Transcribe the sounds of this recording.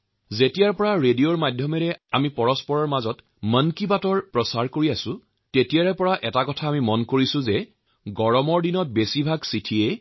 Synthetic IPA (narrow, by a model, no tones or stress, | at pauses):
zetijaɹpɔɹaɹedijoɹmadʱjɔmɛɹɛa̰mipɔɹɔspɔɹɔɹmazɔt | mənkibatɔɹpɹɔsaɹkoɹiasʊ̃ | tetijaɹɛpɔɹaʔɛtakɔtʰaːmimɔnkoɹisʊ̃zɛ | ɡɔɹɔmɔɹdinɔt̚besibʱaɡsitʰie